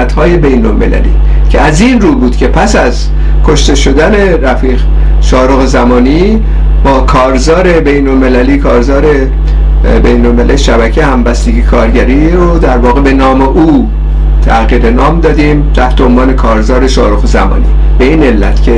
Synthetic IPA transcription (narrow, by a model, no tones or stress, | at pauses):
æt̪hɒːje̞be̞jnolme̞̰læ̰lḭː | cʰeæzinruːbuːd̪̥cʰe̞pʰæsæz | kʰo̞ʃt̪e̞ʃo̞d̪æne̞ɾæfiːɣ | ʃɒːɾoɣezæmɒːni | bɒːkʰɒːɾzɒːɾe̞be̞jno̞lme̞læliːkʰɒːɾzɒːɾe̞ | bejnolmelæ̰lʃæbæcʰehæmbæst̪eɡikʰɒːɾɟæɾiːɾod̪æɾvɒːɣebe̞nɒːme̞ʔuː | t̪ʰæɣiːɾenɒːmd̪ɒːd̪iːmt̪ʰæht̪ʰeonvɒːne̞kʰɒːɾzɒːɾe̞ʃɒːɾoɣezæmɒ̰ːnḭː | b̥e̞iːne̞lːæ̰t̪ʰcʰe